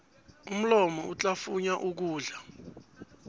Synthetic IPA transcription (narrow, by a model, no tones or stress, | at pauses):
um̩lɔmɔut͡ɬʼafuɲaʔuk̬uːɮa